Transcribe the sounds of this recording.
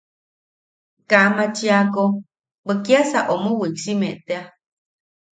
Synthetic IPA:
kaʔmat͡ʃiako | bəkjasaʔomowiksimeʔt̪ea

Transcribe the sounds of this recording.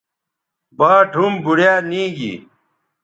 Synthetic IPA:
baːʈʰumbuɽjaːnĩːɡḭ

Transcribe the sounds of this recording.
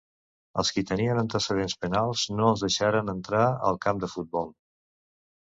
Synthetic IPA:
ə̰lˠskit̪əniənənt̪əsəðenspənalˠz̥noəlˠzðəʃaɾənənt̪ɾaə̰lˠkamd̪əfut̪̚bɔlˠ

